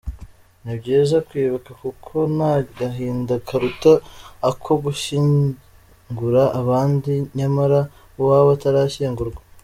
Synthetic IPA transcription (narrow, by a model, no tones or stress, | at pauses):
nabɟeːzakwiːβakakukʰo̞naɡaɦiːndakʰaɾutaakʰo̞ɡuʃiɲ | ŋɡuɾaʔːβaːndiɲamaɾa | waβataɾaːçiːŋɡuɾɡwa